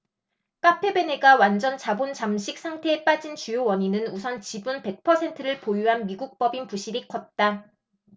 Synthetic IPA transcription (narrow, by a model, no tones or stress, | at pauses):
k͈apʰe̞be̞neɡawand͡ʑʌnt͡ɕabont͡ɕamɕʰik̚s͈ʰaŋtʰe̞ep͈ad͡ʑint͡ɕujowʌɲinɯnusʰʌnt͡ɕibunpe̞k̚pʰʌsʰe̞ntʰɯɾɯɭpojuɦanmiɡuk̚p͈ʌbinpuɕʰiɾikʰʌt̚t͈a